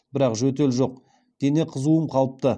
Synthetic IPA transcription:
bɪɾɑqʒɵt̪̬e̞lʒo̞q̚ | d̪̥e̞ne̞qʰəzuəmqʰɑlˠəp̚t̪ə

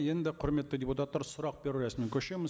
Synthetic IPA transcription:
je̞nd̪ɪqʰʊɾme̞t̪ːɪd̪ʲeput̪at̪ːɑɾsʊɾɑq̚be̞ɾɪɾæsmɪŋkʲʰɵʃemɪz

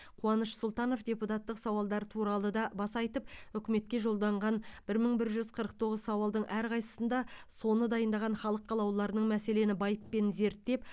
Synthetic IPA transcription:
qʰuɑnəʃsʊlˠt̪ɑno̞fdʲe̞put̪ɑt̪ːəqsɑwɑlˠd̪ɑɾət̪ʰuɾɑlˠəd̪ɑbɑsɑjt̪əp̚ʏkʲɪme̞t̪̚kʲe̞ʒo̞lˠd̪ɑɴʁɑnb̥ɪɾməɴbɪɾʒʏzqʰəɾəq̚t̪ʰo̞ʁəzsɑwɑlˠd̪əɴʔæɾqʰɑjsə̥sənd̪ɑso̞nəd̪ɑjənd̪ɑʁɑnχɑlˠəqʰːɑlˠɑwlˠɑɾənəɴmæse̞le̞nɪbɑjəpːe̞nze̞ɾt̪ːe̞p̚

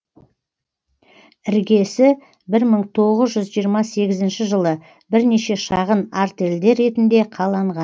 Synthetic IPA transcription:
ɪɾɡʲe̞sɪ | bɪɾməɴt̪ʰo̞ʁəzʒʏzʒijəɾmɑse̞ɡʲɪzɪnʃɪʒəlˠə | bɪɾneʃe̞ʃɑʁənaɾt̪e̞ld̪e̞ɾːe̞t̪ɪnd̪e̞qʰɑlˠɑɴʁɑn

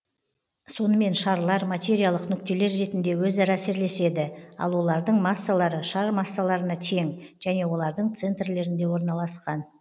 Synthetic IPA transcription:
so̞nəme̞nʃɑɾlˠɑɾmat̪ʲe̞ɾʲijalˠəqnʏkt̪e̞le̞ɾːe̞t̪ɪnd̪e̞wɵzɑɾɑːse̞ɾle̞se̞d̪ɪɑ̰lˠwo̞lˠɑɾd̪əɴmɑsːalˠɑɾəʃɑɾmɑsːalˠɑɾənɑt̪ʰe̞ŋʒ̥æne̞wo̞lˠɑɾd̪əɴt̪se̞nt̪rle̞ɾɪnd̪e̞wo̞ɾnɑlˠɑsqɑn

